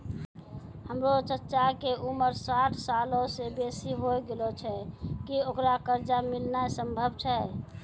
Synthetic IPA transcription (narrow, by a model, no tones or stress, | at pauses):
həmɾot͡ʃətːʃakeuməɾsaʈʰsalosebesiɦojɡelot͡ʃʰɛkiokɾakəɾd͡ʒamilnaesəmbʱəbt͡ʃʰɛ